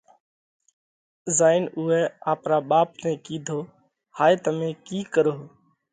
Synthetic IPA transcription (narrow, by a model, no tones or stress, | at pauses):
zaːɪnʊːɛːaːpɾaːɓaːpnɛ̃ːkiːd̪ʱoː | haːjt̪əmẽːkiːkəɾoː